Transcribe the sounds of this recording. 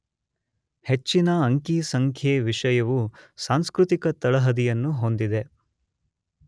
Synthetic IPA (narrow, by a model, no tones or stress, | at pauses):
het͡ʃːinɐɐŋkisɐŋkʰjeːʋiʂɐjɐʋusaːŋskɾut̪ikɐt̪ɐɭɐɦɐd̪ijɐnːuɦo̞nd̪id̪e̞